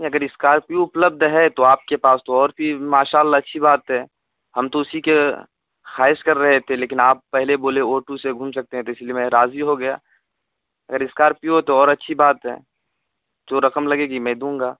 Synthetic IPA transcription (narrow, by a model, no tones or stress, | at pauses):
iɐɡəɾɪskaːɾpjuʊpləb̚d̪ʱɦɛt̪oaːp̚kepaːst̪oɔːɾpimaːʃaːlːaɐtːʃʰibaːt̪ɦɛː | hɐmt̪oʊsike | xaːɪʃkɐɾːɐɦet̪ʰeleːkɪnaːpːɛɦleboːleoːʈuseɡʱũːmsɐk̚t̪eɦɛ̃t̪oɪsliemẽɾaːziɦoɡɐja̰ː | ɐ̰ɡəɾɪskaːɾpjuɦt̪oɔːɾɐtːʃʰibaːt̪ɦɛ̰ː | d͡ʒoːɾɐkəmlɐɡeːɡimɛ̃d̪ũːŋ̆ɡaː